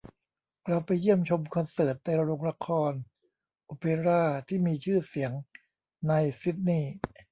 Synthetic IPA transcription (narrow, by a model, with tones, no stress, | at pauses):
ɾa˧wpa˧jːi˥˩əmt͡ɕʰo˧mkʰɔ˧nsɤː˨˩t̪̚na˧jɾa˧ɾo˧ŋɾa˧˥kʰɔː˧n | ʔoː˧pe˧ɾaː˥˩t̪ʰiː˥˩miː˧t͡ɕʰɯː˥˩si˩˦əŋ | na˧jsi˦˥t̪̚niː˥˩